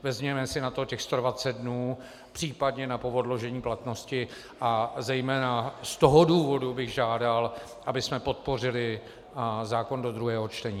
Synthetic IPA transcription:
vɛzmɲɛmɛsɪnat̪o̞cɛxst̪o̞dvat͡sɛt̪̚dnuː | pr̥iːpadɲɛnapo̞vo̞dlo̞ʒɛɲiːplat̪no̞scɪ | ʔazɛjmɛːnast̪oɦoduːvo̞dubɪɣʒaːdal | ʔabɪsmɛpo̞t̪̚po̞r̝ɪlɪ | zaːko̞ndo̞d̪ɾuɦɛːɦo̞t͡ʃt̪ɛɲiː

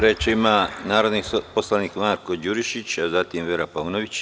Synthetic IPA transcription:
ɾet͡ʃeimanaːɾo̞d̪niposlaniːkmaːɾko̞d͡ʑuɾiʃit͡ɕazat̪imʋeɾapaunoʋit͡ɕ

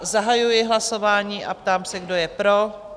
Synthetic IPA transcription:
zaɦajujɪɦlaso̞vaːɲiːʔa̰pt̪aːmsɛɡdo̞jɛpɾo

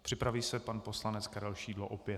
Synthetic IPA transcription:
pr̥ɪpɾaviːsɛpanpo̞slanɛt͡skaɾɛlʃiːdloʔopjɛ

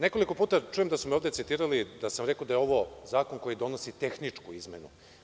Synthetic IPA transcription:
neko̞liko̞puːt̪at͡ʂuːje̞md̪asumeo̞ːvd̪et̪sit̪iːɾalid̪asamɾekod̪ajeo̞ʋo̞zaːko̞nko̞jid̪o̞no̞sit̪e̞xnit͡ʂkuizmḛnṵ

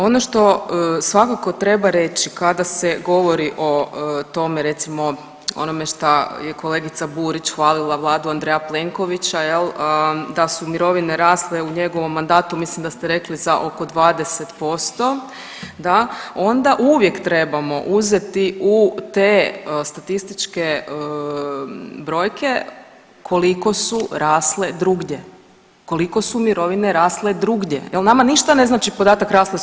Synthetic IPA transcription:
o̞noʃt̪o̞sʋakako̞t̪ɾe̞baɾe̞t͡ɕikad̪aseɡo̞ʋo̞ɾiʔo̞t̪o̞meɾe̞t̪simo̞ | o̞̰no̞meʃt̪ajeko̞le̞ɡit̪sabuːɾit͡ɕxʋaːlilˠaʋlˠaːd̪uand̪ɾejaple̞ŋko̞ʋit͡ɕajeləd̪asumiɾo̞ʋine̞ɾaːsleuɲe̞ɡo̞ʋo̞mːand̪aːt̪umislimd̪ast̪eɾe̞klizaʔo̞ko̞d̪ʋaːd̪e̞set̪po̞st̪o̞ | d̪ao̞nd̪aʔuʋje̞kt̪ɾe̞bamo̞̰ʔuzet̪iʔut̪eːst̪at̪ist̪it͡ʃke | bɾo̞ːjkʰe̞ | kʰo̞liko̞suɾaːsle̞d̪ɾuɡɲe | ko̞liko̞sumiɾo̞ʋine̞ɾaːsle̞d̪ɾuːɡɟḛjelnamaniʃt̪ane̞znaːt͡ʃipo̞d̪aːt̪akɾaːslˠe

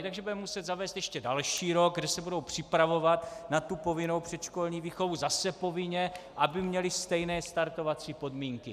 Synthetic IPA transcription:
t̪aɡʒɛbudɛmmusɛd̪zavɛːst̪jɛʃcɛdalʃiːɾo̞ɡ̚ɡdɛsɛbudo̞wpr̝̥ɪpɾavo̞vat̪nat̪ːupo̞vɪno̞wpr̝̥ɛt̪ʃko̞lɲiːviːxovuzasɛpo̞vɪɲɛʔabɪmɲɛlɪst̪ɛjnɛːst̪aɾt̪o̞vat͡siːpo̞dmiːŋkɪ

